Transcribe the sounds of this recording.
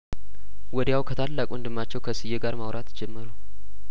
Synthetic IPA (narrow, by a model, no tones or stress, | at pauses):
wɔd̪jawkʰət̪ʰalːakʼuɨnd̪ɨmːat͡ʃːɛwkʰəsɨjːeɡaɾmawɾat̪d͡ʒɛmːəɾu